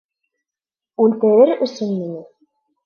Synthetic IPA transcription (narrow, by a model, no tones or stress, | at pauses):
ʉlt̪ɘ̆ɾɘɾɵ̆sɵnminɘ